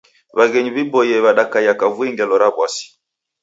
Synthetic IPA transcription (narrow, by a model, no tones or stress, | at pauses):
βaɣɛɲiβibɔjɛβaɗakajakavwɛŋɡɛlɔɾabwasi̥